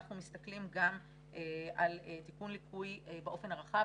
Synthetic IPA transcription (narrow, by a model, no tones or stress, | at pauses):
aχnumist̪aklimɡam | ʔeʔaletikunlikʰujebeʔo̞fe̞naʁaχa